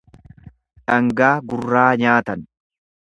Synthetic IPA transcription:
ᶑɐŋɡaːɡʊrːaːɲaːt̪ɐn

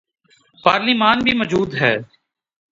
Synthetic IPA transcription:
paːɾlimaːnbʱimɔd͡ʒuːd̪ɦɛː

